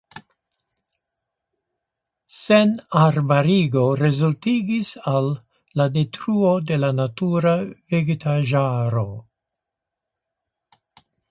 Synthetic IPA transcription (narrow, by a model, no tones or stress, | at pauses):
senaɾbaɾiɡo̞ɾe̞zultiɡisalː | ade̞tɾuo̞de̞lanatuɾaveɡetʰaʒaɾo̞